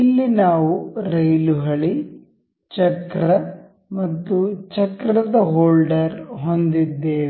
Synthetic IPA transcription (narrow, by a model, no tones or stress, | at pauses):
ilːinaːʋuɾɐjluɦɐɭi | t͡ʃɐkɾɐ | mɐt̪ːut͡ʃɐkɾɐd̪ɐɦoːlɖɐɾɦo̞nd̪id̪ːeː